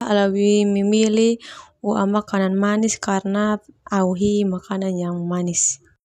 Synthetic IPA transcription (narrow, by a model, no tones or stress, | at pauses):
alawimimiliua̰makananmaniskarnaauɦimakananjaŋmanis